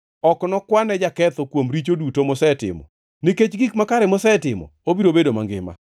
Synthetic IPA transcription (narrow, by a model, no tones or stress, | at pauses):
ɔknɔkwanɛd͡ʒakɛt̪ɔkwomɾit͡ʃodutomɔsɛtɪ̰mɔ̰ | niket͡ʃɡikmakaɾɛmɔsɛtɪmɔ̰obiɾobedoma̰ŋɡɪ̰ma̰